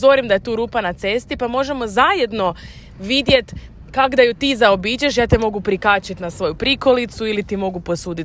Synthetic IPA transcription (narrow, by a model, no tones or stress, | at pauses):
o̞ɾimd̪aje̞t̪uːɾuːpanat̪se̞st̪ipamo̞ʒe̞mo̞zaje̞d̪no̞ | ʋid̪je̞t̪ | kaɡd̪ajut̪iːzaobiːt͡ʃeʃjaːt̪emo̞ɡupɾikaːt͡ʃit̪nasʋo̞jupɾiko̞lit̪suilit̪imo̞ɡupo̞suːd̪it̪